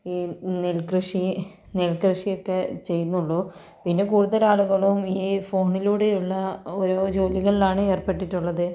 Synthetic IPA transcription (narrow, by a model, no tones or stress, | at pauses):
iːnelkrɨʂi | nelkrɨʂijo̞kːe̞t͡ɕe̞jːunːuɭːu | pinːe̞kuːɽuðɐlaːɭuɣɐɭumiːfo̞ːɳiluːɽe̞juɭːɐoɾo̞ːd͡ʑo̞ːliɣɐɭilaːɳɨe̞ːrpe̞ʈːiʈːuɭːɐðɨ